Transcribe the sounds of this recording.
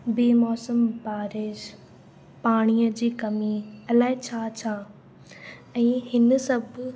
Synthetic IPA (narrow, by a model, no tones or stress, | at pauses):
biːmɔːsəmbaːɾɪʃ | paːɽ̃iəd͡ʑiːkɐmiɐlaːɦɪt͡ɕʰaːt͡ɕʰaː | ɛ̃ːɦɪnsɐbʱ